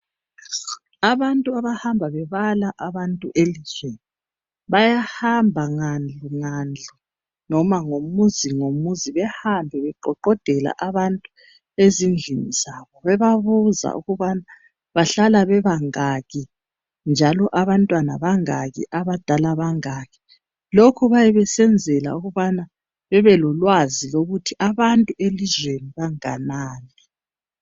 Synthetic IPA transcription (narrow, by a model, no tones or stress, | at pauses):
aβantʼuaβahambʱaβɛβalaʔaβantʼṵʔelizwei | βajahambʱaŋand͡ɮʱuŋand͡ɮʱu | nɔmaŋomuziŋomuziβɛhambʱɛβɛǃɔǃɔd̥ʱɛla̰ʔaβantʼu | ezind͡ɮʱiniz̥aβɔβɛβaβuza̰ʔṵɣuβana | βaɬalaβɛβaŋaɣi | nd͡ʒʱalɔʔaβantʼwanaβaŋaɣḭʔaβad̥ʱalaβaŋaɣi̥ | lokʰuβajɛβɛsɛnd͡zʱɛla̰uɣuβana | βɛβɛlɔlwaziloɣutʰiʔaβantʼuelizweniβaŋanaːnɛ